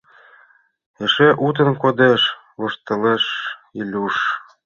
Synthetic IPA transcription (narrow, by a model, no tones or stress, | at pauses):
eʃeʔut̪̬ə̆nkod̪eʃ | lŏʃt̪ɤ̆leʃilʲuʃ